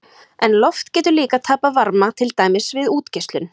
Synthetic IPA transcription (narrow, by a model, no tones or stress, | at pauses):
ɛnlɔft̪cɛːt̪ʏɾliːkat̪ʰaːpavaɾmat̪ʰɪlt̪aːjmɪsvɪðuːt̪cɛst̪lʏn